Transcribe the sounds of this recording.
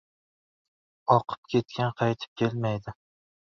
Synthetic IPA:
ɒqʰɨ̥p̚kʲʰe̞t̪kʲʰanqʰɑjt̪ʰɪ̥p̚kʲʰe̞lmajd̪ɪ

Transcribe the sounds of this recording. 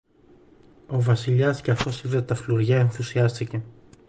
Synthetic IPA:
o̞vɐsiʎɐscɐθo̞siðet̪ɐfluɾʝɐe̞nθusiɐst̪ice̞

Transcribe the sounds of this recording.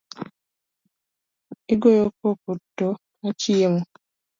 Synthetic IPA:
iɡojokokutːo | at͡ʃiemo

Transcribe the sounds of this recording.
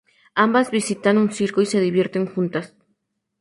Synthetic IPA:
ambazβisit̪anunsiɾkoise̞ðiβje̞ɾt̪e̞ŋxunt̪as

